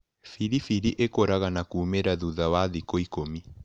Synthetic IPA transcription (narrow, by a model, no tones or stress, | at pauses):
fiɾifiɾiʔekoɾaɣanakuːmeɾaðuðawaðikoikomi